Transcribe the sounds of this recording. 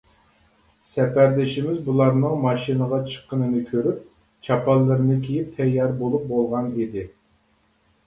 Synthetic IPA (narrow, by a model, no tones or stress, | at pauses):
sɛpæɾd̪ɪʃimɪzbulˠɑɾnɨŋmɑʃinəʁɑt͡ʃʰə̥qːənɨnɨkʲʰøɾyp̚ | t͡ʃʰɑpʰɑlˠːɨɾɨnɨkʲʰijip̚t̪ʰɛjːɑɾbolˠup̚bolˠʁɑnid̪ɪ